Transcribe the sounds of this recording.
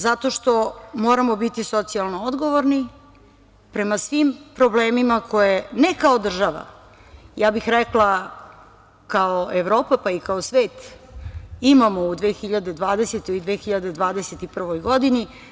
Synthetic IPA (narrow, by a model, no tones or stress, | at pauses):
zat̪o̞ʃt̪o̞mo̞ːɾamo̞bit̪iso̞t̪sialˠnood̪ɡo̞ʋoɾni | pɾemasʋimpɾo̞bleːmimakʰo̞jenekaod̪r̩ʒaʋa̰ | jaːbixɾɛklˠa | kaoeʋɾo̞ːpapaikaosʋeːt̪ | imamo̞ud̪ʋeːxiʎad̪e̞d̪ʋaːd̪eset̪oid̪ʋeːxiʎad̪e̞d̪ʋaːd̪e̞set̪ipr̩ʋo̞jɡo̞d̪ini